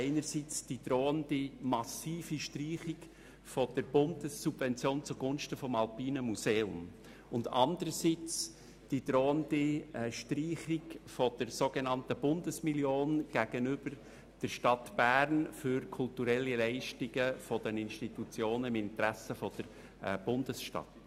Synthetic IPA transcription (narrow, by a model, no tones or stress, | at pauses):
ɪnəɾsit͡sd̥id̪̥ɾoːəndimɑsiːfiʃtriːχɪɡ | fɔd̥əɾb̥ʊndəsːub̥vɛnt͡sjoːnt͡suɡʊnʃtəfɔmɑlpiːnəmuseːʊ̰m | ʊndɑndəɾəsit͡s | d̥id̥ɾoːəndiʃtriːχiɡfɔd̥əɾsoɡenɑntəb̥ʊndəsmiljoːnɡ̥æɡ̥ənʏb̥əɾ | d̥əɾʃtɑt̪b̥æːɾnfʏɾkʰʊltuɾɛlːilɛɪʃtɪɡəfɔd̥ənɪnʃtitut͡sjoːnəɪmɪntɾæsəfɔd̥əɾ | b̥ʊndəsʃtɑ̰t